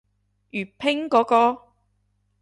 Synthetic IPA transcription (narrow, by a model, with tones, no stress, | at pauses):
jyː˨˩pʰɪ˥ŋkɔː˨˥kɔː˧